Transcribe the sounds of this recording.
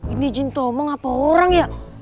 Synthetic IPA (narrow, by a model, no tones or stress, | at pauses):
inid͡ʒint̪omaŋapaoɾaŋja